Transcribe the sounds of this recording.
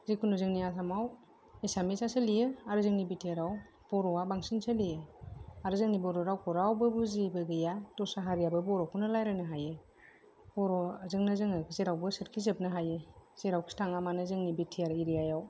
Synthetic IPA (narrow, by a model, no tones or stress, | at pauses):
zekʰunuzɯŋniasʰamaw | esamisasɯlijɯaɾɯzɯŋnibitʰiaɾaw | b̥ɔɾɔwabaŋsinsalijɯaɾɯzɯŋnibɔɾɔɾawkɔɾawbɯbuzibɯɡɯjatɔsaɦaɾijabɯbɔɾɔkʰunalajɾanɯɦaje | bɔɾɔzɯŋnɯzɯŋɯkzeɾawbɯsɯɾkʰizɯp̚nɯɦajez̥eɾawkʰi̥tʰaŋamanɯzɯŋnibitʰiaɾiɾijajaw